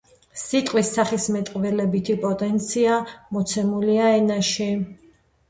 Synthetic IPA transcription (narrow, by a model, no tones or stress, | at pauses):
sit̪ʼqʼwisːaχismɛt̪ʼqʼvɛlɛbit̪ʰipʼɔt̪ʼɛnt̪sʰiamɔt̪sʰɛmuliaɛnaʃi